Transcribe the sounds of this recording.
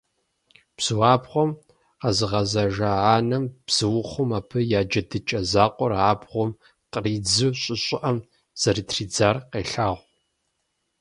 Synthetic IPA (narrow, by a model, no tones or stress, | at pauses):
b̥z̥ɨwaːbχʷɔm | qɐzɨʁɐzɐʒɐaːnɐmb̥z̥ɨwʊχʷʊmaːpʰɨjaːd͡ʒɐdɨt͡ʃʼɐzaːqʷʼɔraːbʁʷɔm | qriːd͡zɨwɕʼɪɕʼɪʔɐm | z̥ɐriːtʰriːd͡zaːrqeːɬaːʁʷ